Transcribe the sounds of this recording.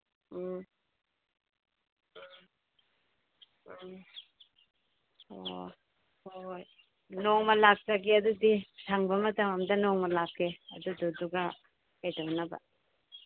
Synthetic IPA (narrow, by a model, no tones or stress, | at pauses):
o | hoj | nɔŋmɐlak̚sɐɡiɐd̪udisʰaŋbɐmɐt̪ɐmɐmdɐnɔŋmɐlakʰeɐd̪ududuɡɐ | kajtawnɐbɐ̰